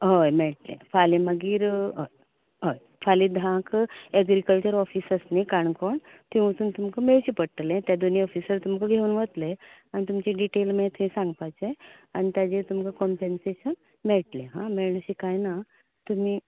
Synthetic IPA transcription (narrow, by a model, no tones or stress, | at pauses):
ɦəjmɛɭʈlḛ̃fʰalẽməɡiːɾɦ | ɦəj | fʰalĩd̪ʱãkeɡɾikəlt͡ɕəɾɔfiːsəsnikaɳkoɳ | t̪ĩʋut̪uːnt̪umkəmeɭɕipəʈlẽt̪jad̪oniɔfisəɾt̪umkəɡʱeuːnʋət̪le | anit̪umt͡ɕeɖiʈelmet̪uĩsãŋɡpajt͡seañit̪jad͡ʑet̪umkəkɔmpenseɕən | meɭʈlẽɦã̰meɭɳəɕikajna | t̪umiː